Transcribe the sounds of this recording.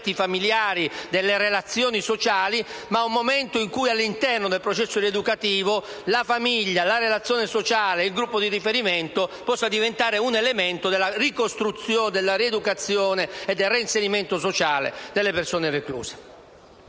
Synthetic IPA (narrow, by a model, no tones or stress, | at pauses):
t̪ifamiljaːɾid̪elːeɾelat̪sːjɔːnisot͡ʃaːlimaumːomɛnt̪oiŋkujalːint̪ɛrnod̪elpɾot͡ʃɛsːoɾied̪ukat̪iːvo | lafamiʎːalaɾelat̪sːjoːnesot͡ʃaːleilɡɾupːod̪irifeɾiment̪opɔsːad̪ivent̪aːɾeunelemɛnt̪od̪elːarikost̪ɾut̪sːjoːnd̪elːaɾied̪ukat̪sːjoːneːd̪ːelreinseɾiment̪os̬ot͡ʃaːlḛd̪elːepersoːnereklṵːse̥